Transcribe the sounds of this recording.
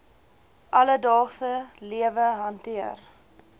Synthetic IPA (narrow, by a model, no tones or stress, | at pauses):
ʔɐlədɑːχsəliəvəɦɐntiər